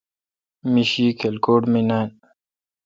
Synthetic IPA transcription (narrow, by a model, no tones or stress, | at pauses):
miɕiːkʰelkoːʈminan